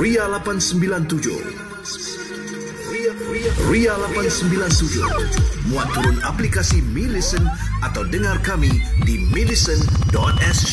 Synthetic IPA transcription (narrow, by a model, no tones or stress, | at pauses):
rialapansəmbilant̪ud͡ʒʊ̰ | rialapansəmbilant̪ud͡ʒʊ̰mũant̪uɾʊna̰plikasimilisənʔat̪awdəŋarkamidimidisəndɔt̪̚ɛs